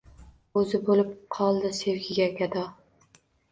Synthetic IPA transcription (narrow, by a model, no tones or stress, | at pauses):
ɵzɪbolɪp̚qʰɒlˠd̪ɪseɾɡʲɪɡʲaɡʲad̪ɒ